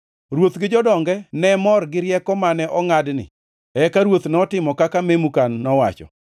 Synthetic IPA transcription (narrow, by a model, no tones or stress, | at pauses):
rwot̪ɡɪd͡ʒɔdɔŋɡɛnɛmɔrɡɪɾjɛkɔmanɛʔɔŋadnɪ̰ | ɛkaɾwot̪nɔtɪmɔkakamemukanːɔwa̰t͡ʃɔ̰